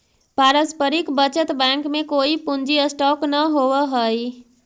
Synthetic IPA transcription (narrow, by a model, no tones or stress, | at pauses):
paɾəspəɾikbət͡ʃət̪bãŋkmekoipund͡ʒiəsʈɔknəɦowəɦəj